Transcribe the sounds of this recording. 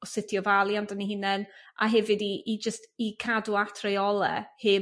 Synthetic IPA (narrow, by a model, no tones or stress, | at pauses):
ɔsɪtʰjɔvalˠjandəniɦɪnɛnʔa̰ɦɛvɪdiʔːd͡ʒəstikʰaduatʰrɛjɔlˠɛ̰hɪ